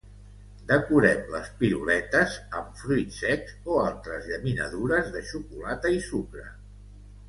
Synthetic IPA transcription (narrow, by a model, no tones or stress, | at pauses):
d̪əkuɾɛmlə̰spilṵlɛt̪əzəmfɾujt̪sɛkzoalˠt̪ɾəzʎəminə̰ðuɾəzðəʃukulat̪əisukɾə